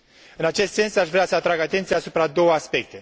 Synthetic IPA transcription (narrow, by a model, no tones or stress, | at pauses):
ɨnat͡ʃe̞st̪se̞nsaʃvɾeasəat̪ɾaɡat̪e̞nt̪sijaːsupɾad̪o̞wəaspe̞k̚t̪e̞